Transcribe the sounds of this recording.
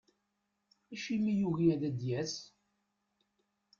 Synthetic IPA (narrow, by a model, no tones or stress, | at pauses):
æʃimijuɣiæðæd̪jæs